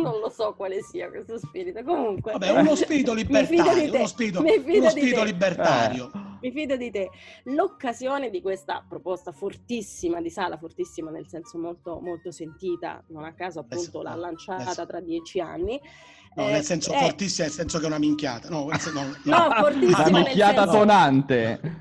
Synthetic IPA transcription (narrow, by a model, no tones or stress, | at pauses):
nonlosɔkwaːlesiːakwest̪ospiːɾit̪okomuŋkweabːɛunospiɾit̪olibmːetfiːad̪od̪ɾijoenospiɾit̪omifiːdunosd̪ipiɾit̪olibːert̪aːɾɾjomifiːd̪od̪it̪elokːazjoːned̪ikwest̪a̰pɾopɔst̪afort̪isːimad̪isaːlafort̪isːimanelsɛnsomolt̪omolt̪osent̪iːt̪a̰nonakːaːzoapːunt̪olaa̰lːant͡ʃat̪at̪ɾad̪ːjɛːt͡ʃia̰nːi | nɔnelsɛnsofort̪isːimnelsɛnsokɛunamiŋkʲja̰ːt̪anɔsɛnɔnɔfort̪imikːjaːt̪asonant̪e